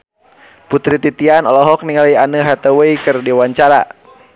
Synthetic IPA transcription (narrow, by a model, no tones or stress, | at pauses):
put̪ɾit̪it̪ianɔlɔɦɔk̚niŋalianəɦat̪əwəikɨrdiwaɲt͡ʃaɾa̰